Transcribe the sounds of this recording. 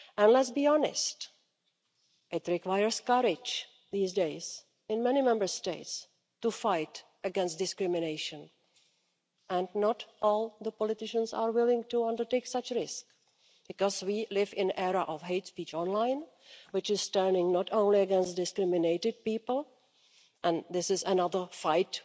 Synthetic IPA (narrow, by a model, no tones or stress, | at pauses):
ʔɛ̃nlɛtsbiːɔnɪ̰st | ʔɪtɾɪkwajəɹskaɾɪd͡ʒ | ðiːsdeɪs | ɪ̃nmɛnimɛ̃mbə˞steɪts | tufaɪt | əɡɛ̃nst̚dɪskɾɪmɪneɪʃə̃n | ʔɛ̃ndnɔtʔɔːlˠðəpɔlɪtɪʃə̃nsa̰ːɹwɪlɪ̃ŋtuʌ̃ndəɹteɪksat͡ʃɹɪsk | b̥ɪkɔzwiːlɪvɪ̃nʔɛɾaʔɔfɦeɪtspiːt͡ʃɔ̃nlãɪ̃n | wɪt͡ʃɪz̥stɛɹnɪ̃ŋnɔtõʊ̃nliəɡɛ̃nst̚dɪskɾɪmɪneɪtɪd̚piːpəl̩ˠ | ʔɛ̃nd̪ɪsɪzənʌðə˞faɪt